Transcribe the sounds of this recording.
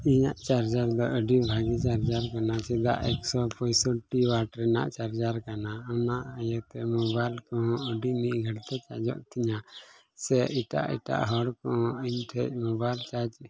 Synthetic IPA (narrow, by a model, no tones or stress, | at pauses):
iɲaʔt͡ʃaɾd͡ʒaɾd̪ɔʔəɖibʱaɡit͡ʃaɾd͡ʒaɾkanasid̪a̰ʔɛksɔpɔjsɔʈiwaʈɾɛna̰ʔt͡ʃaɾd͡ʒaɾkanaɔnaʔəjət̪ɛmɔbajlkɔɦɔ̃əɖimit̪̚ˀɡʱəɽt̪ɛt͡ʃa̰d͡ʒɔ̰ʔt̪ʰiɲa | sɛiʈa̰ʔḭʈa̰ʔɦɔɽkɔɦɔ̃iɲʈʰɛc̚mɔbajlt͡ʃad͡ʒ